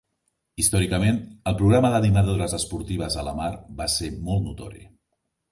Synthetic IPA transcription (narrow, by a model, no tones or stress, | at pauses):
ist̪ɔɾikəmenəlˠpɾuɣɾaməðənimaðoɾəzəspuɾt̪iβ̞əzələmaɾbasemɔlˠt̪nut̪ɔ̰ɾḭ